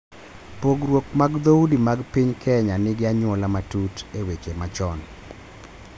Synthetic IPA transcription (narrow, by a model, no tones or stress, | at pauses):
poɡɾwokmaɡd̪oudimaɡpiɲkʰɛɲanɪɡɪaɲwɔlamatutewet͡ʃemat͡ʃɔn